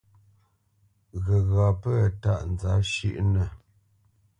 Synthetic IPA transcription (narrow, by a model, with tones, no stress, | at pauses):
ɣə˨ɣa˨pə˦˨ta̰˦ʔn˨d͡za˨˦ʃḭ˦˨ʔnə˨